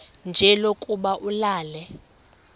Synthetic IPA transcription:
nd͡ʒʱɛlokʼuɓaʔulaːlɛ

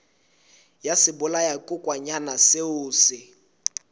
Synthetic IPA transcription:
jasɪbʊlajakʼʊkʼwaɲanasɪʊːsɪ

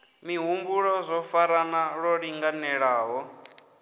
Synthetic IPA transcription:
miɦumbuɺɔzʷɔfaɾanaɺɔɺiŋɡanɛɺaːɦɔ

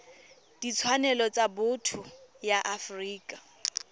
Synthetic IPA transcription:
d̥it͡sʰwanɛlɔt͡sʼabʊtʰʊjaʔafriːkʼa

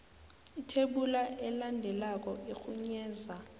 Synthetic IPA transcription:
itʰeɓulaɛlandʱɛlak̬ʼɔʔexʰuɲɛːza

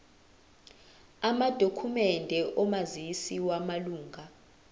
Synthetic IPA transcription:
amad̥ʱokʰumɛndʱɛʔɔmazisiwamaluːŋʱa

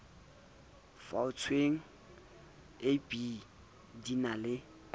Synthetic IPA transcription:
faʊt͡sʰweŋ̩ | epʼi | dinalɪ

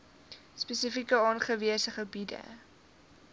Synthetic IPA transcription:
spɛsəfikəɑːnχəviəsəχəbidə̰

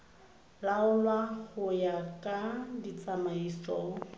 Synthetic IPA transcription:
laʊlwaɣʊjakʼadit͡sʼamaisʼɔʊ

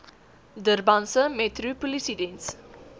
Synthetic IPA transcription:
dərbãnsəmɛt̪rupolisidẽns

